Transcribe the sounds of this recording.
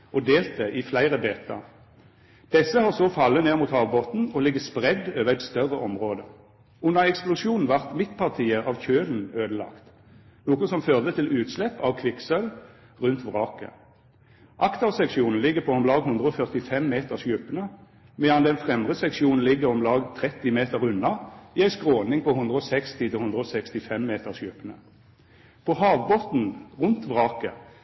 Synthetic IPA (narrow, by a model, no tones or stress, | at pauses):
ʔɔd̪eːlt̪əʔɪflæɪʁəbeːt̪ɑ̰ʁ | d̪̥ɛsəhɑːʁsɔfɑlːəneːʁmuːt̪hɑːʋboːt̪n̩ɔlɪɡəspʁɛd̪øːʋəʁæɪt̪st̪œʁəʔɔmʁoːd̪ə | ʊnəɛksplʊʂjuːnn̩ʋæʁt̪mɪt̪pʰɑʁt̪ʰiːəɑʋçøːln̩øːd̪əlɑ̰kt̪ | nuːkʊsɔmføːʁd̪ət̪ʰɪlʉːt̪slɛpːɑʋkʰʋɪksœl | ʁʉnt̪ʋʁɑːkə̰ | ʔɑkt̪ɑsɛkʃuːnn̩lɪɡəpʰɔɔmlɑːɡhʉnd̪ʁəɔfœʁt̪ɪfɛmːeːt̪əʁsjʉpːənə | mɛːɑnd̪ɛnfʁɛmʁəsɛkʃɪuːnn̩lɪɡːəʁɔmlɑːɡt̪ʰʁɛt̪ːɪmeːt̪əʁʉnːɑɪːæɪskʁoːnɪŋpʰɔhʊnd̪ʁəɔsɛkst̪ɪt̪ʰɪhʊnd̪ʁəɔsɛkst̪ɪfɛmːeːt̪əʁsjʉpːənə̰ | pʰɔɦɑːʋbot̪n̩ʁʊnt̪ʋʁɑːkə̰